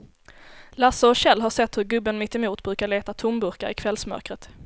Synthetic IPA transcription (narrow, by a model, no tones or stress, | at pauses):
lasəɔɕɛlːɦaʂɛt̪ːhɵɾɡɵbːənmɪt̪ːɪmuːt̪bɾʉ̟ːkaɭeːt̪at̪ʰʊmbɵɾkaɾɪ̰kʰvɛlsmœ̰ɾkɾət̪